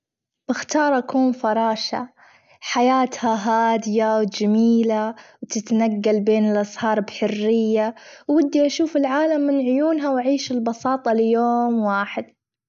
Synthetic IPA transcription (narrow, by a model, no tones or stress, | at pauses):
b̥ɪxt̪ɑːɾˤʔakuːnfɑɾˤɑːʃa̰ | ħajaːt̪haɦaːd̪ɪjawd͡ʒamiːlawt̪ɪt̪naɡːalbeːnɪlʔɑshɑːɾˤbħʊrːɪjːawːɪd̪ːiʔaʃuːfɪlʕaːlamːɪnʕʊjuːnɦawaʕiːʃɪlbɑsɑːt̪ˤɑlɪjoːmwaːħɪd̪̚